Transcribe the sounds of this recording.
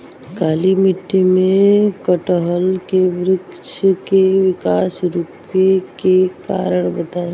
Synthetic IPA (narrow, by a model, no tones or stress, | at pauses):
kaːlimɪʈːimẽkəʈəɦəlkeʋɾɪkʃəkeʋɪkaːsɾʊp | ekeka̰ːɾəɽ̃bət̪aːe